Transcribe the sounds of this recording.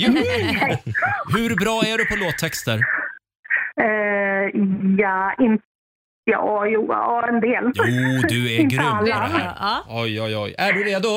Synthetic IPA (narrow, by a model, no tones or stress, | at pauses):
j | hɵɾbɾɑːæɖɵpʰɔloːt̪ʰːɛkst̪əɾ | ɛ | jaːɪn | jɑ̰ːjuːɾɛnd̪eːljuːd̪ɵɛɪnɡɾɵalːaɑːɔjɔjɔ̰jæɖɵɾeːd̪ʊ